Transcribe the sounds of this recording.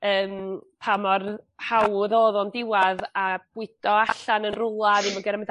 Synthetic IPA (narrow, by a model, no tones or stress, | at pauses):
əːmpʰamɔrhawðoːðɔndɪwaðab̥wɪd̥ɔaɬanənrʊlˠaðimɔɡɛɾɛmɛd